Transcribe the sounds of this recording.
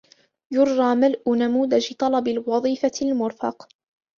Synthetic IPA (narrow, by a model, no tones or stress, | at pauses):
jʊɾːɑːmalʔʊnamuːd̪ad͡ʒt̪ˤɑlɑbɪlwɑðˤiːfalmʊɾfɑ̰q